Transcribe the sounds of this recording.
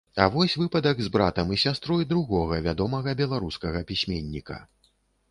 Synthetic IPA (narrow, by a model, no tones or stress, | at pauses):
avɔsʲvɨpɐd̪ɐɡzbɾat̪ɐmisʲast̪ɾɔjd̪ɾuɣɔɣɐvʲad̪ɔmɐɣɐbʲɛlˠaɾuskɐɣɐpʲisʲmʲenʲːikɐ̰